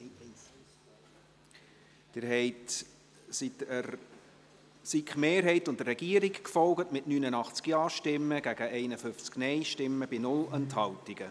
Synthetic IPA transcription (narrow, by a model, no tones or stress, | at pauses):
d̥ɪːɾhɛɪt | sitə | sikχmeːɾɦɛɪtʊndərːɛɡ̥iəɾikkfɔlɡətmɪtnynənɑχt͡skjɑːʃtɪmːəɡ̥æɡ̥əɛɪnəfʏft͡sknɛɪʃtɪmːəb̥inʊlɛnthɑwtiɡ̥ə